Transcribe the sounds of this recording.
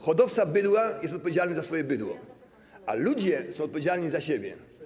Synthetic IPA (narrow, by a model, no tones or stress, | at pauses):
xɔd̪ɔft̪sabɘd̪wajɛst̪ɔt̪̚pɔvʲed͡ʑalnɛzasfɔjɛbɘd̪wɔ̰ | a̰lud͡ʑɛsɔ̃w̃ɔt̪̚pɔvʲed͡ʑalɲizaɕebʲjɛ̰